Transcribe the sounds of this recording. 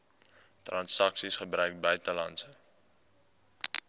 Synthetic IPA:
trɐnsɐksisχəbrœɥk̚bœɥtəlɐnsə

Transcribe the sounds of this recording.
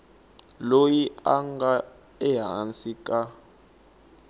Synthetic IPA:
lojiaŋɡa | ɛɦa̰nsikʼa

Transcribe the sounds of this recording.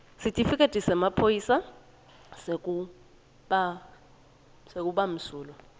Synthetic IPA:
sitʼifikʼetʼisɛmapʰojiːsa | sek̬ʼu | ɓa | sek̬ʼuɓam̩suːlɔ

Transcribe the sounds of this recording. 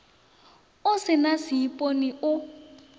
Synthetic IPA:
ʊsɪnasiipʼoniʊ

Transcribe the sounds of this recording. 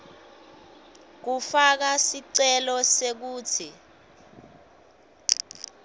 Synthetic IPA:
k̬ufak̬asiǀɛlɔsek̬uːt͡sʰi

